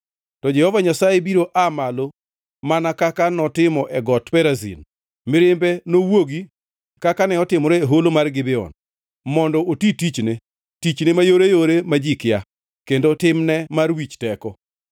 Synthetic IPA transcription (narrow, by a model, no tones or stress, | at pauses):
tɔd͡ʒɛhɔvaɲasajebiɾoʔamalo | manakakanɔtɪmɔʔɛɡɔtpɛɾazḭn | mɪɾɪmbɛnowoɡi | kakanɛɔtɪmɔɾɛeɦolomarɡɪbɛɔ̰n | mɔndɔotitit͡ʃne | tit͡ʃnemajoɾejoɾemad͡ʒikɪja | kendotɪmnɛmarwit͡ʃtɛkɔ